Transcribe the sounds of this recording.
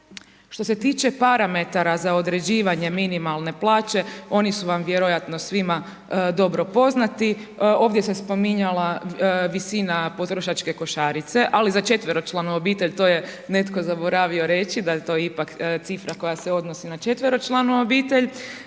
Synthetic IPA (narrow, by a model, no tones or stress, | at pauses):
ʃt̪o̞se̞t̪iːt͡ʃe̞paɾame̞t̪aɾazao̞d̪ɾe̞d͡ʑiːʋaɲe̞minimalˠne̞plˠaːt͡ʃe̞o̞nisuʋamʋje̞ɾo̞jat̪no̞sʋima | d̪o̞bɾo̞po̞znat̪io̞ːʋd̪jesespo̞miɲalaʋisinapo̞t̪ɾoʃat͡ʃke̞ko̞ʃaːɾit̪se̞ʔalizat͡ʃe̞t̪ʋeɾo̞t͡ʃlˠanuobiːt̪e̞ʎt̪o̞ːje̞ne̞t̪ko̞zabo̞ɾaʋio̞ɾe̞t͡ʃid̪ajet̪o̞ːjipakt̪sifɾako̞jase̞o̞d̪no̞sinat͡ʃe̞t̪ʋeɾo̞t͡ʃlˠanuobiːt̪e̞ʎ